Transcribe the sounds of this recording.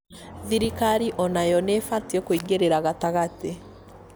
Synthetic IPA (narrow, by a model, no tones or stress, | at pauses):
ðiɾikaɾiʔɔnajɔnefatiekoiɡeɾeɾaɣataɣate